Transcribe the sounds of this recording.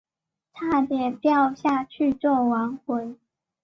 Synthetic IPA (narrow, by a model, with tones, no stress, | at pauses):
tʰa˥˩t̪jɛ˨˩pjɑ˥˧ʊɕja˥˧t͡ɕʰy˥˧t͡swɔ˥˩wa˧˥nxwə˧˥ɪ